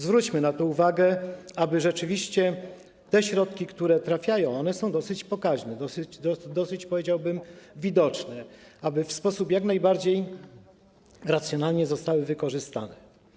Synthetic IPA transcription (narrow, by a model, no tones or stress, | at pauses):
zvɾut͡ɕmɘnat̪ɔuvaɡɛabɘʐɛt͡ʂɘvʲiɕt͡ɕɛ | t̪ɛɕɾɔt̪kʲikt̪uɾɛt̪ɾafʲjajɔ̃w̃ɔnɛsɔ̃w̃d̪ɔsɘt͡ɕpɔkaʐnɛd̪ɔsd̪d̪ɔsɘt͡ɕpɔvʲed͡ʑawbɘmvʲid̪ɔt͡ʂnɛabɘfspɔsupjaknajbaɾd͡ʑej | ɾat̪sʲjɔnalɲɛzɔst̪awɘvɘkɔʐɘst̪a̰nɛ